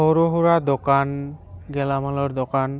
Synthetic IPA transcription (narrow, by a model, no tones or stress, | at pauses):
ɔɾoɦuɹad̪ɔkanɡɛlamalɔɹd̪ɔkan